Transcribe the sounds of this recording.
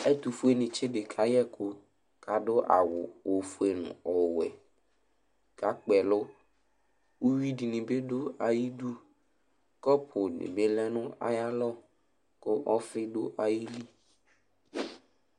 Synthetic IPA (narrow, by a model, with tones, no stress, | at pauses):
ɛ˦t̪u˨fu˦e˦nĩ˨t͡ʃe˦ɖɪ˨kʰa˦jɛ˦ko˦ | ka˨ɖʊ˦ʔa̰˨wʊ̰˨o˨fu˦e˨nṵ̃˨ɔ˨wɛ̰˨ | ka˨˦k͡pɛ˨lʊ˦ | wu˦wi˦di˨nĩ˨be˦ɖo˦a˨ji˦du˦ | kɔ˦pʰʊ˨nḭ̃˨be˦lɛ˦nʊ̃˦a̰˨ja˦lɔ˦ | kʊ˦ʔɔ˦fɪ˦ɖo˦ʔa˨ji˦li˦